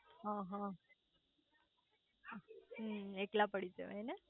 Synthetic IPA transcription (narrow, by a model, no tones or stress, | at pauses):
ɦãɦã | ɦeklapəɽid͡ʒḛene